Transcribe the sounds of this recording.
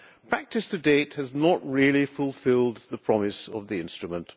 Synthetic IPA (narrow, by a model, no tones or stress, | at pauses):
pʰɹ̥æk̚tɨstɨdeɪt̚hɨznəʔɹilˠifʊlˠfɪlˠd̪̚ðəpʰɹ̥ɑmɪsʌ̰vðiɪ̃nstɹ̥ɨmə̃nʔ